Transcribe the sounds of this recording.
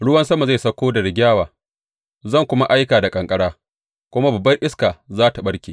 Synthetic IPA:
ɽʊ˦wɐ˦nsɐ˦ma˨za˦˨jsɐ˦kʷoː˦da˨ɽɪ˨ɡʲaː˦waː˨ | zɐ˦˨ŋkʷʊ˦ma˦ʔa˦jkaː˨da˨kʼɐ˨ŋkʼɐ˦ɽaː˦ | kʷʊ˦ma˦bɐ˨bːɐ˦jʔɪ˦skaː˨zaː˦ta˨ɓɐ˦ɽkʲeː˨

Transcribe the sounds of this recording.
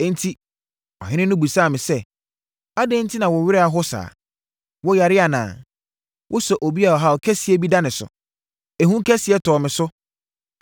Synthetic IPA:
ɛ̃˦n̩˦tʰi˦ | ɔ̰˨ɦɪ̃˦nɪ̃˦nʊ̃˦bu˨sãː˦˨mɪ̃˨sɛ˦ | a˦dẽ˦n̩˦tʰi˦nã˨wɔ˨ɥɪ˦ɾɪ˦a˨ɦʊ˦sa̰ː˨ | wɔ˦ja˨ɾɪ˦a˨nã̰ː˨ | wʔʊ˦sɔ˨ʔo˨bi˦a˨ɔ˨ɦa˨ɔ˨kʰɛ˦sɪ˨˦ɛ˦bi˦da˦nɪ̃˨sʊ̰˨ | e˨ɦũ˦kʰɛ˦sɪ˨ɛ˦tʰɔː˨mɪ̃˨sʊ˦

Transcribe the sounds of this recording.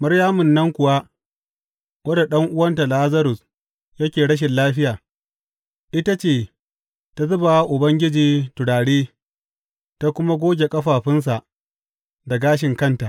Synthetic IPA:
mɐ˦ɾjaː˦mʊ˨nːɐ˦ŋkʷʊ˨wa˦ | wɐ˦da˨ɗɐ˦ŋʔʊ˦wɐ˦nta˨la˦zɐ˦ɾʊ˨s | jɐ˦kʲeː˨ɽɐ˦ʃ̬ɪ˨nlaː˦ɸɪ˦jaː˨ | ʔɪ˦ta˦t͡ʃeː˦˨ | ta˦zʊ˦ba˨wa˦ʔʊ˨bɐ˦ŋɡʲɪ˦d͡ʒiː˨tʊ˨ɽaː˨ɽeː˦ | ta˦kʷʊ˦ma˦ɡʷoː˦ɡʲe˨kʼɐ˦ɸaː˨ɸɪ˦ns̬a˨ʔ | da˨ɡaː˦ʃ̬ɪ˨ŋkɐ˦nta˨ʔ

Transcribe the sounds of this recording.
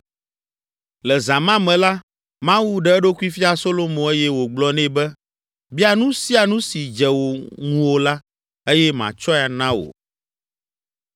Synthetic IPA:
lɛ˨za˨mã˦mɛ̃˨la˦ | mã˦wu˦ɖɛ˦ɛ˦ɖo˦ku˦i˦fi˦a˨so˦lo˦mõ˨e˦jɛ˦wo˨ɡ͡blɔ˦nɛ̃˦bɛ˦ | bi˦a˨nũ˦si˦a˨nũ˦si˨d͡ʒɛ˨wo˨ŋũ˨wo˨la˦ | e˦jɛ˦mã̰˨t͡ʃɔ˦˨a˨nã˦wo̰˨

